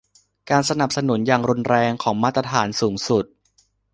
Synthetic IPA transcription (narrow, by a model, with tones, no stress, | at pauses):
kaː˧nsa˧na˨˩p̚sa˧nu˩˦njaː˨˩ŋɾu˧nɾɛː˧ŋkʰɔː˩˦ŋmaː˥˩t̪̚ːɾa˧t̪ʰaː˩˦nsuː˩˦ŋsu˨˩t̪̚